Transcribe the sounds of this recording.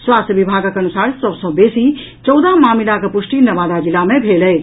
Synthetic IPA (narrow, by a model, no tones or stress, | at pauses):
swaːst̪əʋibʱaːɡakɐñusaːɽsəbsõbeːsi | t͡ʃɔwd̪amaːmilakəpʊʂʈinɐʋaːd̪ad͡ʒɪlamẽbʱeːləj